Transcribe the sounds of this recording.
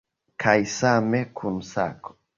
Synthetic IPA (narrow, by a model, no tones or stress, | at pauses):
kʰajsamekʰunsa̰ko̥